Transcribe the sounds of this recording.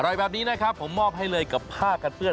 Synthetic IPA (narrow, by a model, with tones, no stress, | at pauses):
a˧ɾɔ˨˩jbɛː˨˩p̚niː˦˥na˦˥kʰɾa˦˥pʰːo˩˦mːɔː˥˩p̚ɦa˥˩jlɤː˧jka˨˩pʰːaː˥˩ka˧npɯ˥˩ə